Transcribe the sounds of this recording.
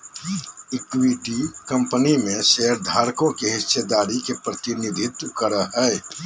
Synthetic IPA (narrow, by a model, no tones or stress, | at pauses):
ɪkwiʈikə̃mpənimẽʃeɦəɾd̪ʱaːɾkõkeɦɪsʃed̪aːɾikepɾət̪ɪnid̪ʱɪt̪wkəɾəɦɛː